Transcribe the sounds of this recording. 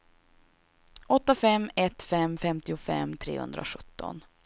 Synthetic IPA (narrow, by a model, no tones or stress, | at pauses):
ɔt̪ːafɛmːɛt̪fɛmːfɛmt̪ɪʊfɛ̰mːt̪ʰɾḛːhɵ̰nd̪ɾʔa̰ɧɵt̪ːɔ̰n